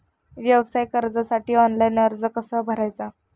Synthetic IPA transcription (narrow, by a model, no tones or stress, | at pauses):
ʋjəbəsajkəɾd͡zasaʈiːɔnlajnəɾd͡zəkəsəbʱəɾajt͡sa